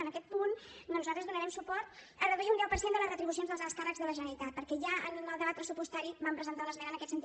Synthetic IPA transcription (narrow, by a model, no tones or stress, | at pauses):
ənəkɛt̪̚pun | nuzalˠt̪ɾəzðunəɾɛmsupɔɾt̪ | ərəðuiunɛwpəɾsjend̪ələzrət̪ɾiβusionzðəlˠzəlˠskarəɡzðələʒənəɾit̪at̪̚pəɾkɛʒaʔə̰nnəlˠd̪əβat̪pɾəsupust̪aɾibampɾəzənt̪aləzβɛnənəkɛt̪sənt̪i